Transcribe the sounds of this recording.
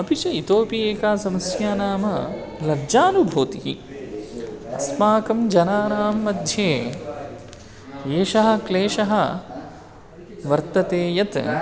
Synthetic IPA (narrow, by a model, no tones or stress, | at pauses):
ɐpit͡ʃɐit̪oːpijeːkaːsɐmɐsjaːnaːmɐ | lɐd͡ʒaːnubʱoːt̪iɦḭ | ɐsmaːkɐmd͡ʒɐnaːnaːmːɐd̪ʱjeː | eːʃɐɦɐ̆kleːʃɐɦɐ̆ | ʋɐɾt̪ɐt̪eːjɐt̪